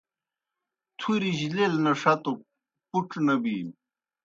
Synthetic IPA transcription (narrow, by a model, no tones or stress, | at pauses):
t̪ʰuɾiʑilelnɐʂɐt̪o | puʈ͡ʂnɐbiː